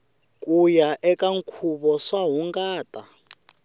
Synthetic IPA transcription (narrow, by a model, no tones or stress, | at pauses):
kʼujaʔɛkʼaŋkʰuɓɔʂwaɦuŋɡaːtʼa